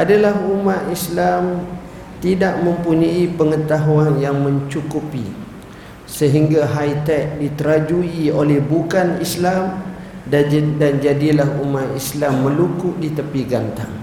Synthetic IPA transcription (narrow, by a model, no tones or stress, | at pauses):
ʔadalahumat̪islam | t̪idaʔmə̃mpuɲaipəŋət̪aɦuanjaŋmə̃ɲt͡ʃukupḭ | səɦiŋɡaɦajt̪ɛk̚dit̪əɾad͡ʒuiolɛhbukanislam | dand͡ʒadilahumat̪islamːəlukuʔdit̪əpiɡant̪a̰ŋ